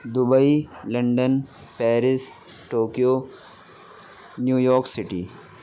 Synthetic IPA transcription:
d̪ʊbəilɐ̃ɳɖən | pɛːɾɪs | ʈoːkijoː | njuːjɔːɾksɪʈḭː

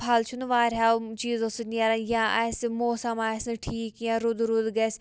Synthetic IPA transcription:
pʰɐlt͡ʃʰunʋaːɾɦaːt͡ʃiːzõsəniaːɾajãːʔasmoːsɐmaːsnʈʰiːkjãːɾʊd̪ɾud̪ɡes

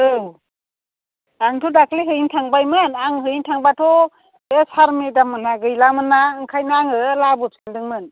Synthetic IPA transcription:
ɯw | aŋtʰɔdakʰliɦɯjintʰaŋbajmɯnaŋɦɯjintʰaŋbatʰɔ | esaɾmedamɯnaɡɯjlamɯnːaɯŋkʰajnaaŋɯlabɔp̚kandɯŋmɯn

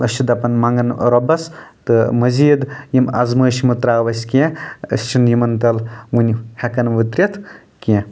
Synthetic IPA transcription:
ɐʃt͡ʃʰid̪ɐpɐnmɐŋɡɐnɾɔbɐst̪ɨmɐziːd̪jimɐ̰zməːʃimɨt̪ɾaːʋɐsʲkẽɐ̰st͡ʃʰinjimɐnt̪ɐlʋunʲhʲɐkɐnʋɨt̪ɾʲɐt̪ʰ | kɛ̃

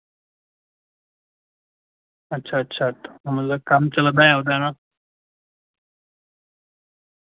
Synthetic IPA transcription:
ətːɕʰaːtːɕʰatːḁm̤əd͡zakamt͡səlad̪ajawd̪ana

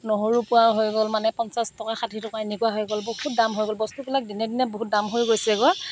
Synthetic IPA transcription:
noɦoɹupuaɦojɡɔlmanɛpɔnsastɔkaxadʱitɔkainikuaɦojɡɔlbout̚damɦojɡɔlbɔstubilak̚dinɛdinɛboɦut̚damɦojɡojsɛɡɔa

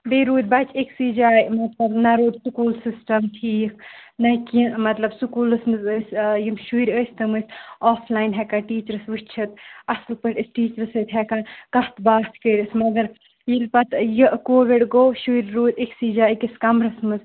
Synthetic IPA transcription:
beːɾuːd̪̚ʲbɐt͡ʃʰiksiːd͡ʒaːjmɐt̪lɐbnɐɾoːd̪ʲsukuːlsisʈɐmʈʰiːkʰ | nɐkimɐt̪lɐbsukuːlɨsmɨzəsʲjimʃuiɾʲəːsʲt̪ɨmɨsʲɔːfʰlaːjnɦɛkɐʈiːt͡ʃəɾɨsʋɨt͡ʃʰɐt̪ɐslpəʈʲisʈiːt͡ʃəɾsət̪ʲɦɛkɐnkɐht̪baːt͡ʃ̪kəːɾʲɨsmɐɡɐɾ | jilpɐt̪jɨʔkoːʋiɖɡoːʃuiɾʲɾuːd̪ʲiksiːd͡ʒaːikiskɐmɾɐsmɨz

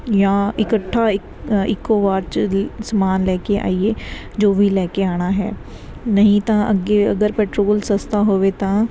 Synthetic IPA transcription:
jãːɪkəʈʰːaːɪkɪkːoːʋaːɾt͡ʃəsəmaːnlɛːkeʔa̰ːieː | d͡ʒoːbʱiːlɛːkeaːɽ̃aːɦɛ̰ː | nəɦĩːt̪ãːə̰ɡeːə̰ɡəɾpɛːʈɾoːlsəst̪aːɦoːʋeːt̪ãː

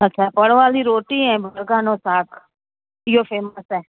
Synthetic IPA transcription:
ətːʃʰaːpəɽʋaːliːɾoːʈiːɦɛ̃ːbʱəɾɡãːnoːsaːkʰ | ɪjoːpʰeːməsɦɛː

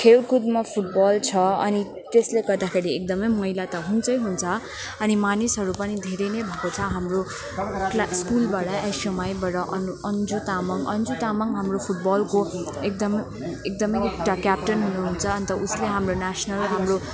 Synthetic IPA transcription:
kʰelkud̪mapʰuʈ̚bʌlt͡sʰʌʌ̰ni | t̪esleɡʌrd̪akʰeɾiek̚d̪ʌmʌjmʌɦilat̪ʌɦunt͡sʌjɦunt͡sʰʌ | ʌnimanisɦʌɾupʌnid̪ʱeɾʌjnʌbʱʌkot͡sʰʌɦamro | klaskulbaɽʌejsʌmajbʌɾʌʔʌnʌnd͡zut̪amʌŋʌnd͡zut̪amʌŋɦamropʰuʈ̚bʌlko | ek̚d̪ʌm | ek̚d̪ʌmʌjek̚ʈakjap̚ʈʌnɦunuɦunt͡sʰʌːnit̪ʌʔusleɦamronasnʌlɦamro

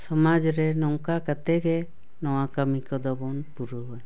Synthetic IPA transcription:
sɔmad͡ʒɾɛnɔŋkakat̪ɛɡɛ | nɔwakamikɔd̪ɔbɔnpuɾuɦɔj

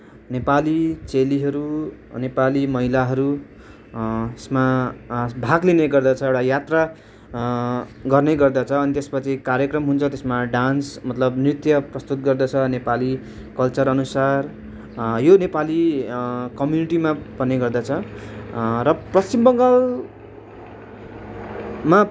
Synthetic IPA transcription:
nepalit͡seliɦʌɾunepalimʌɦilaɦʌɾu | t̪esma | bʱaɡlineɡʌrd̪at͡sʰʌewʈajat̪ra | ɡʌrneɡʌrd̪at͡sʰʌːnit̪espʌt͡sʰikaɾjʌkrʌmɦunt͡sʰʌt̪esmaɖansmʌt̪lʌbnrit̪jʌprʌst̪ut̪̚ɡʌrd̪at͡sʰʌnepali | kʌlt͡sʌɾʌnusar | jonepali | kʌmjuniʈimapʌneɡʌrd̪at͡sʰʌ | rʌprʌst͡simbʌŋɡal | ma

